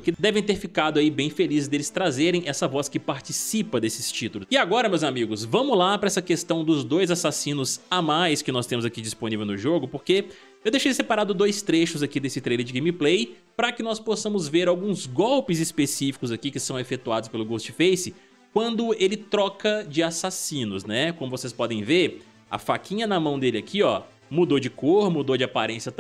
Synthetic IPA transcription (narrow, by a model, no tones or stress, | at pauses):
kɪd̪ɛvẽj̃t̪eɾfikad̪ʊaibẽj̃felizɪzd̪elɪst̪ɾazeɾẽj̃ɛsɐvɔskɪpaɾt͡ʃisipɐd̪esɪst͡ʃit̪ʊlʊsɪaɡɔɾɐmewzamiɡʊsvɐ̃mʊzlapɾɐɛsɐkest̪ɐ̃w̃d̪ʊzd̪ojzasasĩnʊzamajskɪnɔst̪ẽmʊzakid͡ʒisponivewnʊʒoɡʊpoɾke | ewd̪ejʃejjsepaɾad̪ʊd̪ojst̪ɾeʃʊzakid̪esɪt̪ɾejleɾd͡ʒɪɡẽmiplej | pɾɐkɪnɔsposɐ̃mʊzveɾawɡũzɡɔwpɪzɪspesifi̥kʊzakikɪsɐ̃w̃efet̪uad̪ʊspelʊɡost͡ʃɪfejsɪ | kwɐ̃nd̪ʊelɪt̪ɾɔkɐd͡ʒɪasasĩnʊznɛkõmʊvosespɔd̪ẽj̃veɾ | ɐ̰fakĩɲɐnɐmɐ̃w̃d̪elɪakʰiɔ | mud̪od͡ʒɪkoɾmud̪od͡ʒɪapaɾẽsjɐt̪